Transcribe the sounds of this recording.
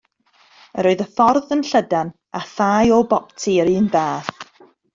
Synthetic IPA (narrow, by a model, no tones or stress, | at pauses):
əɾɔɨðəfɔrðənɬədan | aθaːjɔbɔp̚tʰiəɾɨːnðaːθ